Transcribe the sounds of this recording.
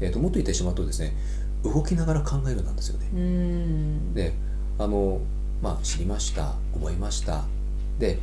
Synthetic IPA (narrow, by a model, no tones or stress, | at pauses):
et̪ːo̞mo̞t̪ːoit̪ːeɕimaɯ̟t̪ːod̪e̞sɨne̞ | ɯ̟ɡo̞kʲinaɡaɾakʰãŋɡae̞ɾɯ̟nːã̰nd̪esɨjo̞ne̞ | d̪e̞ | ano̞ | maɕiɾʲimaɕi̥t̪a̰ | ɡoboimaɕi̥t̪a̰ | d̪e̞